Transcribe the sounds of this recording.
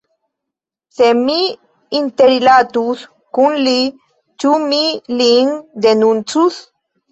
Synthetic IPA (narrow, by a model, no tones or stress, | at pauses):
semiː | nt̪eɾilat̪us | kunli | t͡ʃumiliŋd̪enunt͡sus